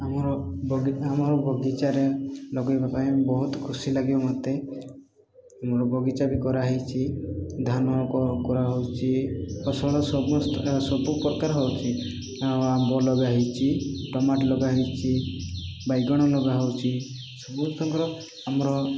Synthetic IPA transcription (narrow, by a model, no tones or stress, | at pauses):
amɔɾɔbʱɔɡiamɔɾɔbʱɔɡit͡ʃaɾelɔɡɔjbapaibɔɦut̪kʰusilaɡibamɔt̪e | amɔɾɔbʱɔɡit͡ʃabikɔɾaɦit͡ʃʰid̪ʱanɔkɔkɔɾaɦɔwt͡ʃʰiɔsɔɭɔsɔbɔst̪sɔbupɔɾkaɾɦɔwt͡ʃʰi | ambɔlɔɡaɦɔt͡ʃʰiʈɔmaʈlɔɡaɦɔt͡ʃʰi | bajɡɔɽ̃ɔlɔɡaɦɔwt͡ʃʰi | sɔbut̪ʰɔŋkɔɾɔ | amɔɾɔ